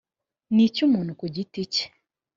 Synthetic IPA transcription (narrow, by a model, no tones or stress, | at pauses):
nicumuːn̥hukuɟitice̥